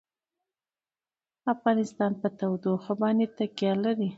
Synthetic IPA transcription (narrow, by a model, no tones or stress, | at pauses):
afɣɑnɪst̪ɑnpət̪awd̪oxəbɑnet̪akjɑlaɾi